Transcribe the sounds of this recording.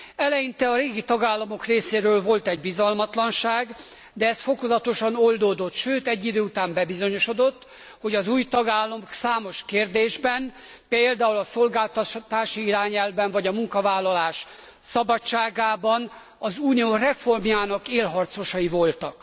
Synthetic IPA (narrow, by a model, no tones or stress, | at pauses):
ɛlɛjint̪ɛɒɾeːɡit̪ɒɡaːlːɒmo̞kreːseːɾøːlvo̞lt̪ɛɟbizɒlmɒt̪lɒnʃaːɡ | d̪ɛɛst̪fo̞ko̞zɒt̪o̞ʃɒno̞ld̪oːd̪o̞t̪ʃøːt̪ɛɟːid̪øːut̪aːmbɛbizo̞ɲo̞ʃo̞d̪o̞t̪ː | ho̞ɟɒzuːjt̪ɒɡaːlːɒmoksaːmo̞ʃkeːrd̪eːʒbɛn | peːld̪aːulɒso̞lɡaːlt̪ɒt̪aːʃiiɾaːɲɛlvbɛɱvɒɟɒmuŋkɒvaːlːɒlaːʃ | sɒbɒt͡ʃːaːɡaːbɒn | ɒzuːnijoːrɛfo̞rmjaːnɒkeːlɦɒrt̪so̞ʃɒivo̞lt̪ɒk